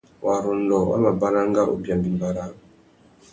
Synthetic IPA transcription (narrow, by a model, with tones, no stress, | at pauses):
wʔa˨ɾɔ˨ndɔ˨wa̰˦ma˨ba˦ɾa˦ŋɡa˦ʔo̰˨bi˨a˨mbi˨mba˨ɾa˦